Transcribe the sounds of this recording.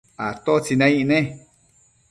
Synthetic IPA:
at̪ot͡sinãĩʔnẽ

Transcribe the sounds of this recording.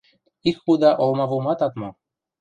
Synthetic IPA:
ikxud̪ɑʔolˠmɑvumɑt̪ɑt̪mɑ

